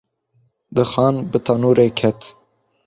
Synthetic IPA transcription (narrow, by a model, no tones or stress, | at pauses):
d̪ɨxɑːnbɨt̪ʰɑnuːɾeːkʰɛt̪